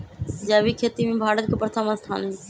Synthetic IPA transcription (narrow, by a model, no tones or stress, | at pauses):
səd͡ʒaβikʰet̪imebʱaɽət̪̚kepɾət̪ʰəməst̪ʰa̰ne